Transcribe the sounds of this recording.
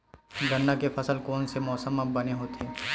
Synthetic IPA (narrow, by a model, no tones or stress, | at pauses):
ɡɐnːakefʰɐsəlkɔːnsemɔːsəmɐbɐneɦoːt̪ʰeː